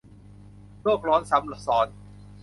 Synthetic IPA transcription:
loː˥˩k̚ɾɔː˦˥nsa˨˦˥mlɔ˨˩sɔː˨˦n

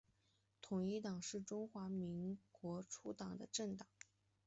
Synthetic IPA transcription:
t̪ʰʊ˨˩ŋi˥˩t̪ɑ˨˩ŋʂɻ̩˥˩ʈ͡ʂʊ˥ŋxwa˧˥mi˧˥ŋkwɔ˧˥ʈ͡ʂʰu˥t̪ɑ˨˩ŋd̪ə˦ʈ͡ʂɤ˥˩ŋt̪ɑ˨˩˦

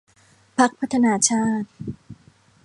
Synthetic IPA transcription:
pʰa˦˥k̚pʰa˦˥t̪ʰa˧naː˧˥t͡ɕʰaː˥˩t̪̚

